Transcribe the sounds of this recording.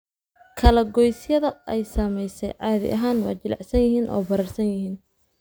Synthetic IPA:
kʰɐlɐɡɔjsjɐðɐɛjsɐːmɛjsɛ̰jʕɑːðɪ̰ʔɐ̰ɦaːnwɑ̰ːd͡ʒɪlɑ̰ʕsɐnjɪɦiːnʔɔ̰ːbɐɾɐrsɐnjɪɦiːn

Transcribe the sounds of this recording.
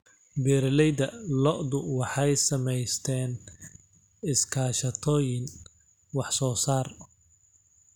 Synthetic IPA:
bɛːɾlɛjd̪ɐlɔʔd̪ʊwɑħɑjsɐmɛjst̪ʰɛːn | ɪskʰaːʃɐt̪ʰɔːjɪn | wɑħsɔːsaːr

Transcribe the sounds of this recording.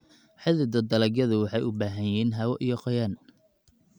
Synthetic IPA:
ħɪðɪd̪ɐd̪ɐlɐɡjɐðʊwɑħɑjʊbaːɦɐjiːnɦɐwɔʔijɔqɐjɐn

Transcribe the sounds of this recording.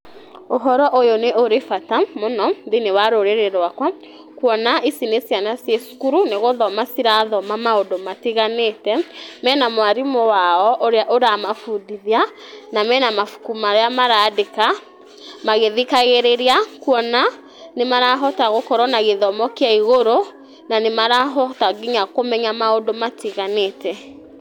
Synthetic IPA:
oɦɔɾɔʔojoneʔoɾefatamonɔðinewaɾoɾeɾeɾwakwa | kwɔnaʔisinesijanasjesu̥kuɾuneɣoðɔmasiɾaðɔmamaodomatiɣanetɛmɛːnamwaɾimɔwaɔʔoɾeaʔoɾamafudiðianamɛːnamafu̥kumaɾeamaɾadeka | maɣeðikaɣeɾeɾeakwɔna | nemaɾaɦɔtaɣokɔɾɔnaɣeðɔmɔkeaiɣoɾo | nanemaɾaɦɔtaɡiɲakomɛɲamaodomatiɣanetɛ

